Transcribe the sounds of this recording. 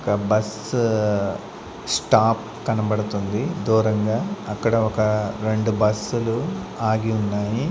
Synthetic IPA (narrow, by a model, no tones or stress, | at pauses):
ɔkɐbɐs | sʈaːp | kɐnɐbɐɽut̪und̪id̪uːɾɐŋɡaːɐkːɐɽɐɔkɐɾe̞ɳɖubɐsuluaːɡiunːaːji